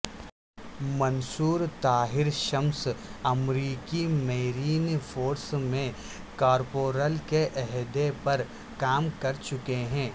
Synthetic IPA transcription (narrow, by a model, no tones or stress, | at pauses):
mɐnsuːɾt̪aːɦɪɾʃɐmsɐmɾiːkimeːɾiːnfʰoːɾsmẽ | kaːɾpoːɾəlkeʔɛɦd̪epɐɾ | kaːmkɐɾt͡ʃʊkeɦɛ̃ː